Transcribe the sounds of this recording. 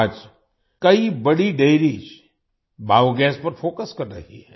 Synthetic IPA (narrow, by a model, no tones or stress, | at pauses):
d͡ʒ | kɐibɐɽiɖeːɾiːd͡ʒ | baːuɡɛːspɐɾfoːkəskɐɾːɐ̰ɦḭɦɛɛː